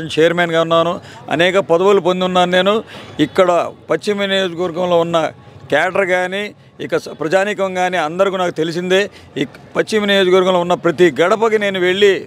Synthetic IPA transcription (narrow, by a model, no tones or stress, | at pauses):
ɐt͡ʃeːjɐɾmeːnɡaːunːaːnuɐ̰nɛːkɐpɐd̪ɐʋulup̬ond̪unːaːnune̞ːnuikːɐɽɐpɐt͡ʃːimɐnijo̞ːd͡ʒɐkɐʋɐɾɡɐmlo̞ːunːɐ | kaːɖɐɾɡaːniː | ikːɐpɾɐd͡ʒaːnikɐŋɡaːniɐnd̪ɐɾikuːnaːkut̪e̞lisind̪e̞ː | pɐt͡ʃːiminijo̞ːd͡ʒɐkɐʋɐɾɡɐmloːunːɐpɾɐt̪iɡɐɽɐpɐk̬ine̞ːnuʋe̞ɭːi